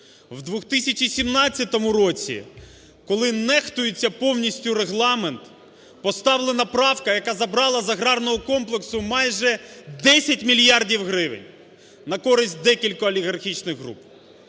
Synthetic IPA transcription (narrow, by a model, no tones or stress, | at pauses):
wd̪ʋʊxt̪ɪsʲɐt͡ʃisʲimnɑt͡sʲːɐt̪ɔmʊɾɔt͡sʲḭ | kɔlˠɪnɛxt̪ʊjɪt͡sʲːɐpɔwnʲisʲtʲʊɾeɦlˠɑment̪ | pɔst̪ɑwlˠenɐpɾɑwkɐjɐkɑzɐbɾɑlˠɐzɐɦɾɑrnɔɦɔkɔmplˠeksʊmɑjʒɛd̪ɛsʲɐtʲmʲilʲjɑrdʲiwɦɾɪʋɪ̰nʲ | nɐkɔɾɪsʲt̚ʲd̪ɛkʲilʲkɔɐlʲiɣɐrxʲit͡ʃnɪɣɦɾṵp